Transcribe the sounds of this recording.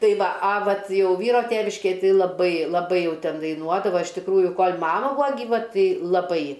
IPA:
ˈtɐɪ ˈʋɐ ɐ ˈʋɐt ˈjɛʊ ˈʋʲiːroː ˈtʲeːʋʲɪʃʲkʲeːj ˈtɐɪ lˠɐˈbɐɪ lˠɐˈbɐɪ ˈjɛʊ ˈtʲɛn dɐɪˈnuɔdɐʋɐ ɪʃ tʲɪkˈruːjʊ ˈkoːlʲ ˈmɑːmɐ ˈbuːɐ ɡʲiːˈʋɐ ˈtɐɪ lˠɐˈbɐɪ

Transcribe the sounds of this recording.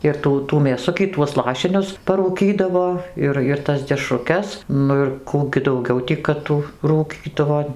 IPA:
ɪr ˈtuː tuː mʲeːˈsʊkʲiː tuɔs ˈlˠɑːʃʲɪnʲʊs pɐruːˈkʲiːdɐʋoː ˈɪr ɪr ˈtɐs dʲɛʃrʊˈkʲɛs ˈnʊ ɪr ˈkuː ɡʲɪ dɐʊˈɡʲɛʊ tʲiː kɐt ˈtuː ruːˈkʲiːdɐʋoː

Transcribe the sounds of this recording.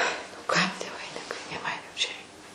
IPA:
nʊ ˈkɐm tʲiɛ ʋɐɪˈnʲɪkɐɪ nʲeː ˈmɐn juː t͡ʃʲɛ ˈrʲɛɪ

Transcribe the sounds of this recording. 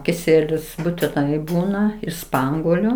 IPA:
kʲɪˈsʲiɛlʲʊs buːtʲɪˈnɐɪ ˈbuːnɐ ɪʃ ˈspɐŋɡuɔlʲʊ

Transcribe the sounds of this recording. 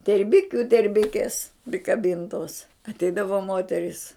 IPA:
tʲɛrʲˈbʲɪkʲʊ tʲɛrʲˈbʲɪkʲɛs pʲrʲɪkɐˈbʲɪntoːs ɐtʲˈɛɪdɐʋoː ˈmoːtʲɛrʲiːs

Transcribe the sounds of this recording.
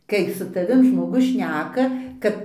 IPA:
ˈkɐɪ sʊ tɐˈʋʲɪm ʒmoːˈɡʊs ˈʃʲnʲæːkɐ ˈkɐt

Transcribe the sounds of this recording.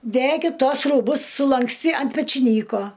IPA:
ˈdʲækʲɪt ˈtuɔs ruːˈbʊs sʊlˠɐŋksʲˈtʲiː ɐnt pʲɛt͡ʃʲɪˈnʲiːkoː

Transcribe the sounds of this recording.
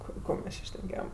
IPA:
ɐpʲɪ ˈkoː mʲɛs ˈt͡ʃʲɪ ʃʲnʲɛˈkʲeːjɛm

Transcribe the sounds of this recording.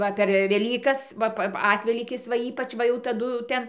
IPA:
ˈʋɐ pʲɛr ʋʲɛˈlʲiːkɐs ˈʋɐ pɐ ˈɑːtʲʋʲɛlʲiːkʲɪs ʋɐ ˈiːpɐt͡ʃ ˈʋɐ jɛʊ tɐˈdʊ ˈtʲɛn

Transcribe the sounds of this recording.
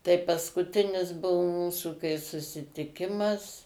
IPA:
tɐɪ pɐskʊˈtʲɪnʲɪs ˈbʊʋoː ˈmuːsʊ kɐɪ sʊsʲɪtʲɪˈkʲɪmɐs

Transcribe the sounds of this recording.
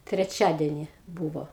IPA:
tʲrʲɛˈt͡ʃʲæːdʲɛnʲɪ ˈbuːʋoː

